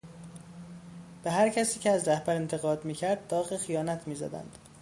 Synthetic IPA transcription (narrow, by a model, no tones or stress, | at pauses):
b̥eɦæɾcʰæsiːcʰeæzɾæhbæɾe̞nt̪ʰe̞ɣɒːd̪miːcʰæɾd̪̚ːɒːɣexijɒːnæt̪ʰmiːzæ̰d̪æ̰nd̪̥